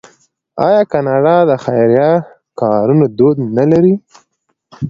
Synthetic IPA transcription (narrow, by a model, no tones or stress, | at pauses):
ɑ̰jɑkɑnɑɖɑd̪əxajɾjɑ | kɑɾunad̪od̪nalaɾi